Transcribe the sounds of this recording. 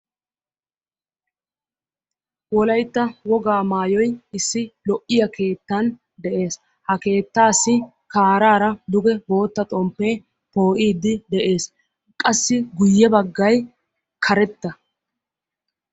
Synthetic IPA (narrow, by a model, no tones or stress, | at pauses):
wɔlɐjt̪ːɐwɔɡaːmaːjɔjɪsːɪlɔʔːɪjɐke̞ːt̪ːɐn | d̪ɛʔe̞ːs | hɐke̞ːt̪ːaːsːɪ | kaːɾaːɾɐd̪ʊɡɛbo̞ːt̪ːɐt̪ʼɔmpːeː | po̞ːʔiːd̪ːɪd̪ɛʔe̞ːs | kʼɐsːɪɡʊjːɛbɐɡːɐj | kʰɐɾɛt̪ːɐ